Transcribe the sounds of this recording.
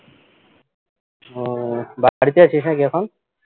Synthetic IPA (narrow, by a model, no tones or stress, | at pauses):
baɽit̪eat͡ʃʰisãkikʰɔn